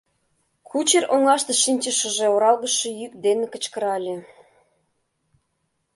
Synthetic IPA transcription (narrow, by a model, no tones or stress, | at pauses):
kʰut͡ɕerʔoŋlɑʃt̪ɤ̆ʃinʲt͡ɕə̆ʃə̆ʒeoɾɑlɣə̆ʃĕjykd̪enĕkə̆t͡ɕkə̆ɾɑlʲĕ